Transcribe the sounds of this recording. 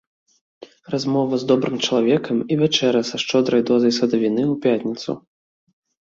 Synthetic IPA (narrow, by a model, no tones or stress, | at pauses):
razmɔvɐzd̪ɔbɾɨmt͡ʂɐlˠavʲɛkɐmivʲat͡ʂɛɾɐsɐʂt͡ʂɔd̪ɾɐjd̪ɔzɐjsɐd̪ɐvʲinɨwpʲat̪ʲnʲit̪sṵ